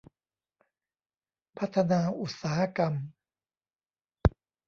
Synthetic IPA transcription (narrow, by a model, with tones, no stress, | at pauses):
pʰa˦˥t̪ʰːa˧naː˧ʔu˨˩t̪̚saː˩˦ha˦˧ka˧m